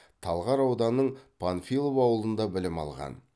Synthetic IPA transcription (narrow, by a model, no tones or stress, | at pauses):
t̪ʰɑlˠʁɑɾɑwd̪ɑnːəɴpʰanfilˠopɑwəlˠənd̪ɑbɪlɪmɑ̰lˠʁɑ̰n